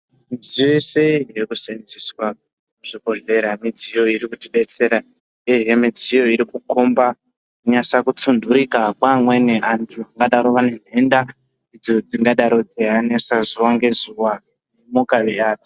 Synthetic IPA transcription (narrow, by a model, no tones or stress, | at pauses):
nzijoise̞iɦirikusend͡ziswa | uʐ̥ibʱoɮe̞ɾamid͡zijo̞iɾikutiɓe̞t͡se̞ɾa | eɦemid͡zijo̞iɾikukomba | kuɲasakut͡sunduɾikakwamweneʔantʰuaŋɡaɗaɾoʋane̞ne̞nda | id͡zo̞d͡ziŋɡaɗaɾo̞d͡ziɦane̞sazuwaŋɡe̞zuwa | nemukaʋeaːti̥